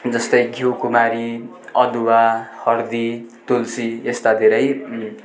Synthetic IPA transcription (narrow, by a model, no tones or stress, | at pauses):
d͡zʌst̪ʌjɡʱiwkumaɾi | ʌd̪uwahʌrd̪it̪ulsiest̪ad̪ʱeɾʌj